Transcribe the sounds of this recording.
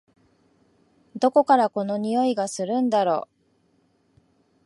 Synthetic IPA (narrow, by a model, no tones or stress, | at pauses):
d̪o̞ko̞kaɾako̞no̞ɲ̟ijo̞iɡasɨɾɯ̟̃nd̪aɾo̞̰ː